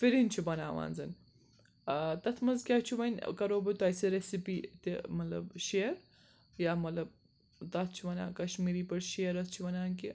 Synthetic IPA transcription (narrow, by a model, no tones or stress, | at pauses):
fiɾint͡ʃʰibɐna̰ːʋa̰ːnzɐn | t̪ɐt̪ʰmɐzkʲaːt͡ʃʰiʋɐnʲkɐɾoːbɐt̪oɐjseɾesipiːt̪imɐt̪lɐ̰bʃeːəɾ | jaːmɐt̪lɐb | t̪ɐt̪̚ʰt͡ʃʰiʋɐna̰ːkɐʃmiːɾiːpɐɾʃejəɾɐst͡ʃʰiʋɐnaːnki